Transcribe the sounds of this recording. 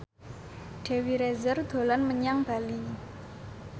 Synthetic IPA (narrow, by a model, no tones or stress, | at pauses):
ɖ̥e̤wiɾɛzərd̪̥o̤lanməɲaŋb̥a̤li